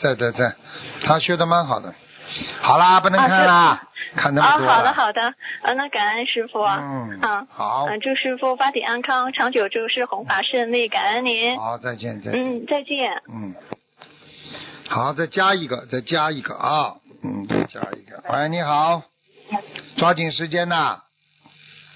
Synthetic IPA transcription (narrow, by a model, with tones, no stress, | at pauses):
t̪we˥˧ɪt̪we˥˧t͡swe˥˩ɪt̪ʰa˥ɕɔ˥d̪ə˧ma˧˥nxɑ˨˩ʊd̪ə˦ | xɑ˨˩ʊlə˦pu˥˩nə˧˥˧kʰa˥˩n˥lə˧kʰa˥˩nt̪ə˧ɔ˧˥˧xɔ˥ɑ˨˩dd̪ə˦˧xɑ˨˩ʊd̪ə˦ə˧˩nə˧ka˨˩nə˥˧nʂɻ̩˥fu˧˩˧xɑ˨˩˦ʊə˧ʈ͡ʂu˥˧ʂɻ̩˥fu˧fa˥t̪ḭ˨˩ʔa˥nkʰɑ˥ŋʈ͡ʂʰɑ˧˥ŋt͡ɕjo˨˩ʊt͡ɕjo˥˧ʊʂɻ̩˥˩xʊ˧˥ŋfa˨˩ʂə˥˧li˥˩ka˨˩nə˥nni˧˥n˧˦t͡sa˥˧ɪt͡ɕjɛ̰˥˧nt͡sa̰˥˧n̩˥˩t͡sa˥˧ɪt͡ɕjɛ˥˩nn̩˥˩ | xɑ˨˧˩ʊt͡sa˥˩ɪt͡ɕja˥i˧˥˩ɡə˧t͡sa˥˩ɪt͡ɕja˥i˧˥˩ɡə̰˧ɐ˥˧˩n̩˥˩t͡sa̰˥˩ɪt͡ɕja̰˥ḭ˧˩ɡə˧e˥˩ɪni˧˥xɑ˨˩˦ʊ | t͡swa˥t͡ɕi˨˩ŋʂɻ̩˧˥t͡ɕjɛ˥nə˨